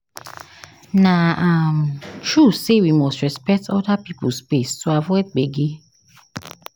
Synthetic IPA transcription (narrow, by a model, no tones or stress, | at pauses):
nãamt͡ʃɹusewimostɹɛspɛk̚tɔdapipospessoavɔɛɡ͡beɡe